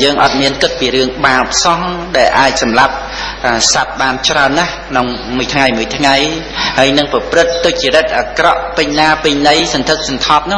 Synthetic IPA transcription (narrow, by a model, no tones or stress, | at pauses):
jəːŋʔɑt̪̚miənkɨt̪̚piːɾɨəŋɓaːəp̚sɑhɗaɛlʔaːc̚sɑmlap̚ | ʔasat̪̚ɓaːnt͡ɕraənːahkʰnoŋ | muəjt̪ʰŋajmuəjt̪ʰŋaj | haəjnɨŋprɑprɨt̪ːoc̚t͡ɕiəɾət̪̚ʔakrɑʔpɨɲnaːpɨɲnɨjsɑnt̪ʰɨk̚sɑnt̪ʰɑːp̚nʊ̆